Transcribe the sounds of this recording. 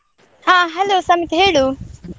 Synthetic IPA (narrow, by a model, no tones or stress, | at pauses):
hãːɦɐloːsɐmit̪ɦeɽu